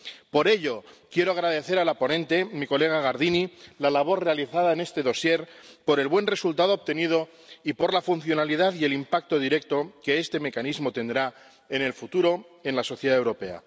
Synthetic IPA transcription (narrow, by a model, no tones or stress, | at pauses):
po̞ɾe̞ʎo̞kje̞ɾoaɣ̞ɾaðe̞θe̞ɾalapo̞nẽ̞nt̪e̞miko̞le̞ɣ̞aɣaɾðinilalaβ̞o̞ɾre̞aliθaðaene̞st̪e̞ðo̞sje̞ɾpo̞ɾe̞lβwe̞nre̞sult̪aðo̞ːp̚t̪e̞nið̞o̞ | ipo̞ɾlafun̟θjo̞naliðaðie̞limpak̚t̪o̞ðiɾe̞k̚t̪o̞ke̞est̪e̞me̞kanizmo̞t̪e̞nd̪ɾa | ene̞lfut̪uɾo̞ | e̞nlaso̞θjeðaewɾo̞pe̞a̰